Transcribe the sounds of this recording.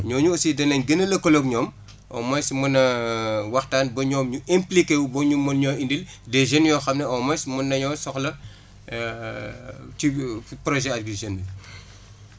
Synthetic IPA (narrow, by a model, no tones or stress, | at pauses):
ɲɔːɲuosidɐnɐɲɡɐnɐlɐkɔlokɲɔːm | ʔɔ̰mɔjsimɐnɐwɐxtaːnbɐɲɔːmɲuemplikeubɔɲumɔnɲɔːindil | dɛʒenjɔːxɐmnɐɔmɐjsmunːɐɲɔːsɔxlɐ | tipɾɔʒɛɐt̚ɡiʒenːi